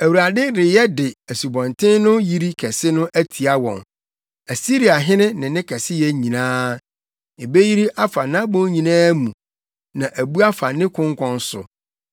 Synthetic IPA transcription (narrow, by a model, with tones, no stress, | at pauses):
æ˨wu˨ɾa˨dɪ˦ɾɪ˨jɛ˦dɪ˨æ˨su˨bɔ̃˨ntʰɪ̃˦nnʊ̃˦ji˦ɾi˦kʰɛ˨sɪ˦nʊ̃˦ʔæ˦tʰi˨a˦wɔ̰̃˨ŋ | æ˨si˦ɾi˨a˨ɦɪ̃˦nɪ̃˦nɪ̃˨nɪ̃˦kʰɛ˨sɪ˦jɛ˦ɲĩ˨nãː˦ | ɪ˨be˦ji˦ɾi˦ʔa˦fa˨nã˦bʊ̃˦ɲĩ˨nãː˦mũ˨ | nã˨ʔæ˨bu˦a˦fa˨nɪ̃˦kʰʊ̃˦ŋ˦kʰɔ̃˨n˦sʊ̰˨